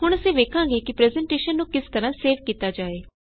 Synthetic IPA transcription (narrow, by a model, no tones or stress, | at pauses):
ɦʊɳəsĩːʋeːkʰãːɡeːkɪpɾɛːzɛɳʈeːʃənːũːkɪst̪əɾãːseːʋkiːt̪aːd͡ʒaːeː